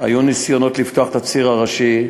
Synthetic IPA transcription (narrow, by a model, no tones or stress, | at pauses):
a̰junisjo̞no̞t̪lift̪oaχet̪at͡siʁaʁaʃi